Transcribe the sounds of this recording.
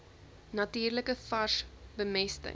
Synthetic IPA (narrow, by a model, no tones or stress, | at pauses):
nɐtiːrləkəfɐʃbəmɛstə̰